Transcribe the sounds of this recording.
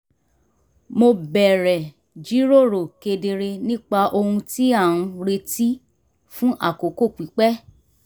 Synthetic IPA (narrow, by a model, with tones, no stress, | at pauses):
mo˧bɛ˨ɾɛ˨ | d͡ʒi˨˦ɾo˦˨ɾo˨ke˧de˧ɾe˧nĩ˦k͡pa˧ʔo˧hũ˧ti˦a˦˨ũ˧ɾe˧ti˦ | fũ˦ʔa̰˦˨ko˨ko˦˨k͡pi˨˦k͡pɛ˦